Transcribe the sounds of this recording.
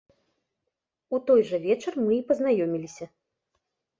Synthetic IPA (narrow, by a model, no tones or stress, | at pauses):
ut̪ɔjʐɐvʲɛt͡ʂɐrmɨipɐznajɔmʲilʲisʲɐ